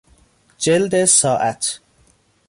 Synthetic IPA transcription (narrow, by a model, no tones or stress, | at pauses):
d͡ʒeld̪esɒːʔæt̪ʰ